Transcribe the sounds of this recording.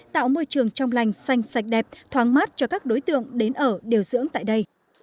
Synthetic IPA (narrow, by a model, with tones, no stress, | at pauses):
t̪a̰ː˧˨wmo˧jt͡ɕɨ˨˩əŋt͡ɕɔ˧wŋ͡mla˨˩jŋ̟sa˧jŋ̟sa˨˩jk̟̚ɗɛ˨˩p̚t̪ʰwaː˨˦ŋmaː˦˥t̚t͡ɕɔ˧kaː˦˥k̚ɗo˨˦jt̪ɨ̰˧˨əŋɗe˨˦nʔəː˧˩ɗe˨˩əwzɨ̰˧˥əŋt̪a̰ː˧˨jɗə˧j